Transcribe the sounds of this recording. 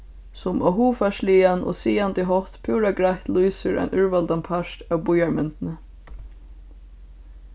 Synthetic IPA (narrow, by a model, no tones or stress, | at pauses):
sʊmɔɦuːfaʃliːanʔɔ̰siːant̪ɪɦɔht̪pʰuːɾaɡɾaht̪lujsɪɾʔa̰jnʔʏɹvalt̪anpʰaʂt̪awbujaɹmʏnt̪ɪnə